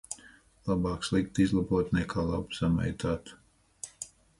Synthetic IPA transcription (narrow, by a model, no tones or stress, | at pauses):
lˠabɑːkslˠik̚t̪izlˠabuɔt̪nɛkʰaːlˠabsama̰jt̪aːt̪